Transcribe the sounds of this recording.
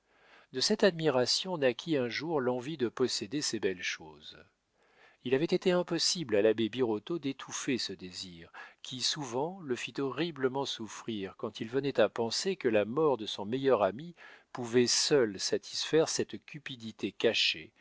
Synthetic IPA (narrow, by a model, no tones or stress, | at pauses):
d̪əsɛt̪ad̪miʁasjɔ̃nakʲʰiɛ̃ʒuʁlɑ̃vid̪əpɔsed̪esebɛlʃoz | ilavɛt̪et̪eɛ̃pɔsiblalabebiʁɔt̪od̪et̪ʰufesəd̪eziʁkʲʰisuvɑ̃ləfit̪ɔʁibləmɑ̃sufχiʁkɑ̃t̪ʰilvənɛt̪apɑ̃sekəlamɔʁd̪əsɔ̃mɛjœʁamipuvɛsœlsat̪ʰi̥sfɛʁsɛt̪kʲypid̪it̪ekaʃḛ